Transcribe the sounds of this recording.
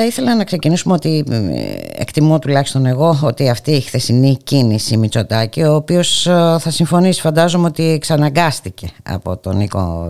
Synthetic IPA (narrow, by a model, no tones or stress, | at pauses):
ɐiθe̞lɐnɐkse̞cinisumeo̞t̪i | ḛkt̪imot̪ulɐçi̥st̪o̞ne̞ɣo̞ot̪iɐft̪iːxθe̞sinicinisimit͡so̞t̪ɐcio̞ːpio̞sθɐsiɱfo̞nisi̥fɐnd̪ɐzo̞meo̞t̪iksɐnɐŋɡɐst̪ice̞ɐ̰po̞t̪o̞̰niko̰